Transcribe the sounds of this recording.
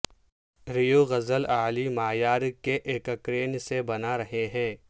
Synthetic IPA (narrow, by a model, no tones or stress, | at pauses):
ɾijoɣɐzəlaːlimaːjaːɾkeʔeːkəkɾeːnsebɐnaɾɐɦeɦɛ̃ː